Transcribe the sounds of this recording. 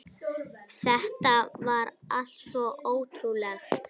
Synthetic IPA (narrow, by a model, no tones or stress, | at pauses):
θɛht̪avaɾal̥t̪svɔʔoːwt̪ʰɾulɛx